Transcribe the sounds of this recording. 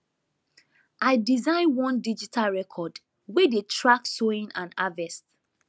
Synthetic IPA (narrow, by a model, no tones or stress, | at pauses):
ʔaɪdizãɪ̃nwɔ̃ndid͡ʒitʰalɹɛkʰɔd | wedetʰɹaksoĩnãnavɛst